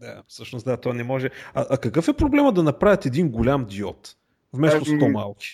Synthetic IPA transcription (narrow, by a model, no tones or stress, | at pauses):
d̪afsɤʃnʊsd̪at̪ɔanɛmɔʒɛɐʔɐkɐkɤfɛpɾoblɛməd̪ɐnɐpɾavʲjət̪ɛd̪inɡolʲamd̪iɔt̪ | vmɛst̪ost̪ɔmalˠki̥